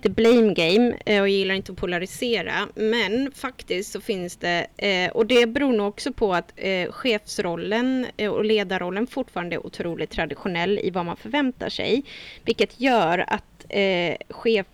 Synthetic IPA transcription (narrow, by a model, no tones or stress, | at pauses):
t̪əblɛjmɡɛjmɔjjɪlːaɾɪnt̪əɔpʰʊlaɾɪseːɾa̰mɛnfakt̪ɪst̪sɔfɪnsd̪ɛɔd̪ɛbɛɾuːɳuːɔksɔpʰɔat̪ɧeːfsɾɔlːənɔleːd̪aɾɔlːənfʊʈːfɑːɾand̪əɛ̰ɾʔʊ̰t̪ʰɾuːlɪt̪ʰːɾad̪ɪɧʊnɛlːɪ̰vamanfœɾvɛnt̪a̰ʂɛ̰jvɪlkːət̪ʰjœːɾa̰t̪ | ɧeːf